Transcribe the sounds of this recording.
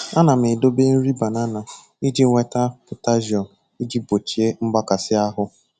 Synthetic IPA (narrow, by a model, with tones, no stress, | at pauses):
a˦na˨m̩˨ɪ˨do˦be˦n̩˦ɾi˦ba˨na˦na˨ | i˦d͡ʒi˦ŋʷe˦ta˦pʊ˨ta˦ʒi˨ɔ˨ | i˦d͡ʒi˦bo˨t͡ʃi˨e˦ŋ͡m̩˦ɡ͡ba˦ka˨sɪ˦a˦ɦʊ˦